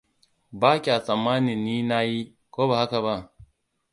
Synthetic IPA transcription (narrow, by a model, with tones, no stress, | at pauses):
baː˦kʲi˨a˨sʼɐ˨mːaː˦ni˨nːiː˦na˦ji˦ | koː˦ba˨ha˦ka˨βa˦ʔ